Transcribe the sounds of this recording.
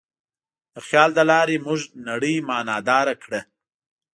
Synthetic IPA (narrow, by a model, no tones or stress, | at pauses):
d̪̥əxjɑld̪əlɑɾemʊʒnaɽəjmɑnɑd̪ɑɾakɽə